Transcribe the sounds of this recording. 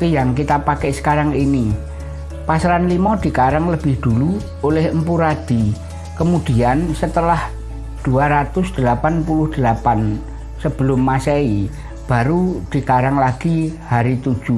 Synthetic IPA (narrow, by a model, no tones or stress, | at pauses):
kijaŋkit̪apakɛʔsə̥kaɾaŋini | pasɾanlimɔd̪̥i̤kaɾaŋləb̥ɪhd̪̥ulu | olɪhəmpuɾad̪̥i | kəmud̪̥i̤ansət̪əlah | d̪̥ṳaɾat̪ʊsd̪̥əlapanpulʊhd̪̥əlapan | səb̥ə̤lʊmːasɛi | b̥a̤ɾud̪̥i̤kaɾaŋlaɡ̥ihaɾit̪ud̥ʒ̥u